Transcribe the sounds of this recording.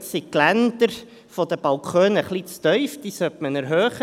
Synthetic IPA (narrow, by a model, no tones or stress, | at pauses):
siklænd̪əɾ | fɔd̪əb̥ɑlkʰχøːnəχlit͡st̪œʏfd̪̥iːsœtmənɛɾɦøːχə